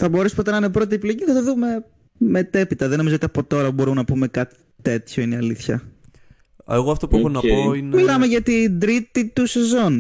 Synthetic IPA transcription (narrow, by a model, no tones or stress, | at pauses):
θɐbo̞ɾespot̪enɐɐnepɾo̞t̪̬iepilo̞ʝiθɐt̪ɐðume̞ | met̪e̞pit̪ɐðeno̞mizot̪ɐpo̞t̪o̞ɾɐbo̞ɾumenɐpume̞kɐt̪i̥ | t̪e̞t̪ço̞ineɐliθçɐ̰ | ḛɣoɐft̪o̞puexonɐoinmilɐme̞ʝɐt̪ind̪ɾit̪it̪use̞zo̞n